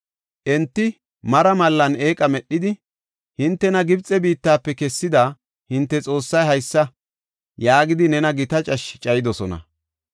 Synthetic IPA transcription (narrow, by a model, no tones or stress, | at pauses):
ʔɛnt̪ːɪ | mɐɾɐmɐlːɐneːkʼɐmɛɗːɪd̪ɪ | hɪnt̪ːɛnɐɡɪbt͡sʼːɛbiːt̪ːaːpːɛkɛsːɪd̪a | hɪnt̪ːɛt͡sʼo̞ːsːɐjɦɐjsːɐ | jaːɡɪd̪ɪnɛnɐɡɪt̪ɐt͡ʃʼɐʃt͡ʃʼɐjɪd̪ɔsɔnɐ̰